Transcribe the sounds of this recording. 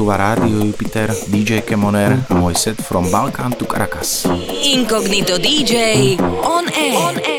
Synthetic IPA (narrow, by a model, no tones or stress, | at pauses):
uʋaɾaːd̪iɔjupit̪ɛɾd̪id͡ʒɛjkɛmɔnɛɾmɔjsɛt̪fɾɔmbalkaːnt̪ukɾa̰kasiŋkɔɡnit̪ɔd̪id͡ʒɛjɔnɛ